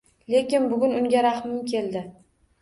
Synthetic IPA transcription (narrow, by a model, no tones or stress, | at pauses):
le̞kʲɪnbʊɡʲʊnʊŋɡʲaɾahmɪmkʲʰe̞ld̪ɪ